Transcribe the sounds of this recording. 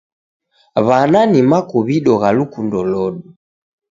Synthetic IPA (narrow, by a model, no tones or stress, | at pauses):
βananimakɔβiɗɔɣalukundɔlɔɗu